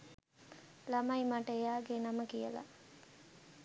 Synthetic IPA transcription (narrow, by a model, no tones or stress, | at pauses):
lamajmaʈəejaːɡenaməkijəla̰